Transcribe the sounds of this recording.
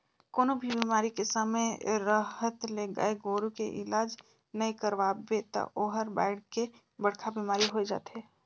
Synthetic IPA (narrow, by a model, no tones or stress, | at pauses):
koːnobʱibiːmaːɾikesəməɾəɦət̪leɡə̰eɡoːɾukḛʔɪ̰laːd͡ʒ | nəekəɾʋaːbet̪ə̰ʔoːɦəɾba̰ːɪɽke | bəɽ̤kʰabiːmaːɾiɦoed͡ʒa̰ːt̪ɦɛː